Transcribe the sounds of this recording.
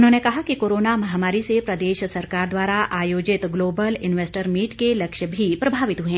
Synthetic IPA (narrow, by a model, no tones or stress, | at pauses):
ʊnɦõːnekɐɦakikoːɾoːnamɐɦaːmaːɾisepɾɐd̪eːʃsɐɾkaːɾd̪waːɾaaːjoːd͡ʒɪt̪ɡloːbəlɪnʋeːsʈəɾmiːʈkelɐkʃəbʱipɾɐbʱaːʋɪt̪ɦuẽː